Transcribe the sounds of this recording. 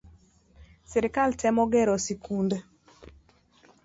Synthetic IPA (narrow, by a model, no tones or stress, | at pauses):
seɾikaltʰɛmɔɡɛɾosikʰunde